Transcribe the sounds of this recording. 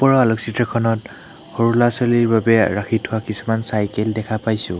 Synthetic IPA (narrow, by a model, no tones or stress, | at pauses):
pɔɹɔalɔksitɹɔkʰɔnɔt | hoɹulasoliɹbabɛɹakʰitʰhʊwakisumansajkɛldɛkʰapajsʊ̃